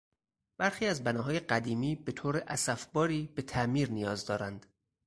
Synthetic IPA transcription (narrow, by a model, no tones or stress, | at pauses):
b̥æɾxiːæzbænɒːɦɒːjeɢæd̪iːmiːbe̞t̪ʰoːɾeʔæsæfbɒːɾiːbe̞t̪ʰæʔmiːɾnijɒːzd̪ɒːɾænd̪̥